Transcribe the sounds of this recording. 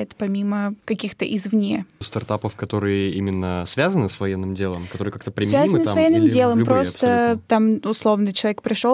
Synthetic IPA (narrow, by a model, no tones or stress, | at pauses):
ɪt̪pɐmʲiməkɐkʲixt̪əʔɪzvnʲest̪ɐrt̪apəfkɐt̪o̞ɾɨjəimʲɪnːəsvʲazənɨsvɐjenːɨmdʲelˠəmkɐt̪oɾɨjəkak̚t̪əpɾʲɪsmʲvʲazəmnəssvɐjenːɨmdʲelˠəmpɾo̞sət̪amʊslˠo̞vnət͡ɕɪlˠɐvʲek̚pɾʲɪʂo